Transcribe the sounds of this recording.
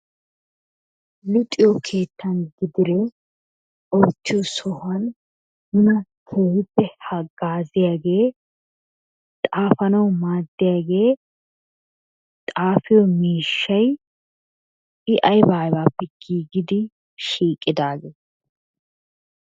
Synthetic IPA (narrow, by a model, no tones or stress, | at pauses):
lɪt̪ʼɪjɔkʰe̞ːt̪ːɐnɡɪd̪ɪɾɛ | ɔjt̪ːɪjɔsɔhɐn | nʊnɐkʰeːhɪpːɛhɐɡaːzɪjaːɡe̞ː | t̪ʼaːfɐnɐwmaːd̪ːɪjaːɡe̞ː | t̪ʼaːfɪjɔmiːʃːɐj | ɪʔɐjbaːjbaːpːɛɡ̥iːɡɪd̪ɪ | ʃiːkʼːɪd̪aːɡeː